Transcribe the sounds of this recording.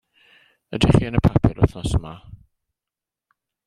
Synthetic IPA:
ədiχiːənəpʰapʰɪɾʊ̰θnɔsəma

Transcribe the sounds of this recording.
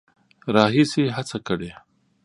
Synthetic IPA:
ɾɑɦisiɦat͡sakəɽe

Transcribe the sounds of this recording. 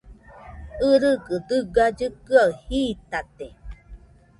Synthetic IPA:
ɯɾɯɡɯd̪ɯɡad͡ʒɯkɯaɯhit̪at̪e

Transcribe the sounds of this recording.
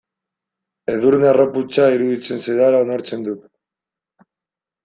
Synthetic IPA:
e̞ðuɾnearoput͡ʃaiɾuðit͡se̞nsejðalaonoɾt͡se̞nd̪ut̪

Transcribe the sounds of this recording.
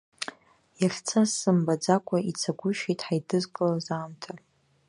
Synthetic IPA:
jirt͡sʰasɨmbad͡zakʷʼait͡sʰaɡʷʊʃijtʼħajdɨzkʼɨlazaːmtʰa

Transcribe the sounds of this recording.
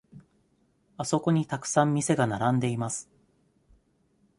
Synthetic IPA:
aso̞ko̞ɲ̟it̪akɯ̟̥sãmːʲise̞ɡanaɾãnd̪e̞imasɨ̥

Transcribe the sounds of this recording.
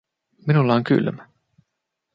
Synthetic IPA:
minulːɑoŋky̰lmæ

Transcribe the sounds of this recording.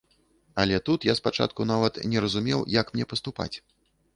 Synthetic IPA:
ɐlʲɛt̪ut̪jaspat͡ʂa̰t̪̚kunavɐt̪nʲɛɾɐzumʲɛwjɐkmnʲɛpɐst̪upa̰t͡sʲ

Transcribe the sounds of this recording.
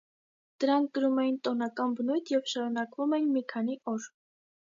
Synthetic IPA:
d̪̥əɾɑŋk̚ʰɡ̥əɾumɛjint̪ɔnɑkɑnbənujt̪ʰjɛvʃɑɾunɑkvumɛjinmikʰɑniʔɔɾ

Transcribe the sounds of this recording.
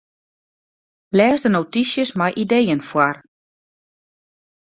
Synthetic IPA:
lɛːzdənotisjəsmajʔidejənfwar

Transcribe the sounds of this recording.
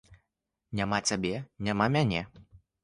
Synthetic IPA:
nʲamat͡sʲabʲɛnʲamamʲanʲɛ

